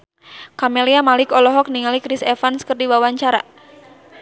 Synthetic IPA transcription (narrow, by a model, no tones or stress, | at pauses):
kameliamalɪkɔlɔɦɔk̚niŋalikɾisɛfanskərdiwawaɲt͡ʃaɾa̰